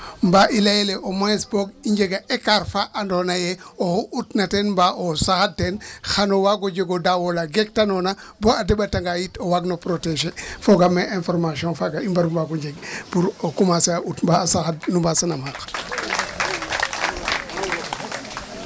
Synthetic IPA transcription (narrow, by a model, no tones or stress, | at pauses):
mbaʔilajeleʔomosboɡiɲɟeɡaʔekaɾfaʔːndonajeohuʔutnatenmbaʔosaxad̚tenxanowaɡoɟeɡodawolaɡek̚tanonaboadebataŋɡajitowaɡnopɾoteʃefoɡameʔẽnfoɾmasiõnfaɡaimbaɾumbaɡoɲd͡ʒeɡpuɾokumaseaʔutmbasaxad̚numbasanamak